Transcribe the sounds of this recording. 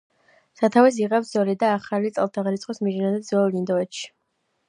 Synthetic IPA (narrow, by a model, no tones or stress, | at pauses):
sat̪ʰavɛs̬iʁɛpszɔlid̪aːχalit̪sʼɛlˠt̪ʰaʁɾit̪sʼqʼɔsmiʒinanɛd̪zɔllind̪ɔɛt̪ʃi̥